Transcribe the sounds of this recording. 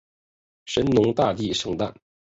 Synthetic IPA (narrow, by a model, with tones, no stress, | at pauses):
ʂə˧˥nnʊ˧˥ŋt̪a˥˧t̪i˥˩ʂɤ˥˧ŋt̪a̰˥˩n